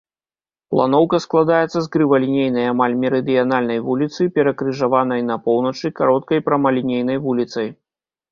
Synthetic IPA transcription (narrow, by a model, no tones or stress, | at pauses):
plˠa̰n̪ɔwkɐsklˠad̪ajɛt̪sːɐzɡɾɨvɐlʲinʲejnɐjamalʲmʲɛɾɨd̪ijanalʲnɐjvulʲit̪sɨpʲɛɾɐkɾɨʐavanɐjnɐpɔwnɐt͡ʂɨkaɾɔt̪̚kɐjpɾɐmɐlʲinʲejn̪ɐjvulʲit̪sɐj